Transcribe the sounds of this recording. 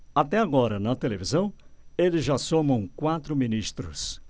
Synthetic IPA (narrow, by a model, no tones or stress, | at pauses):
at̪ɛaɡɔɾɐnɐt̪elevizɐ̃w̃elɪzʒasomɐ̃w̃kwat̪ɾʊminist̪ɾʊs